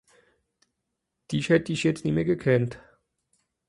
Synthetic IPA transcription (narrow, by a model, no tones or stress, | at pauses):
d̥iːçhɛtədɪçjɛt͡stniːmeːɐɡəkʰɛnt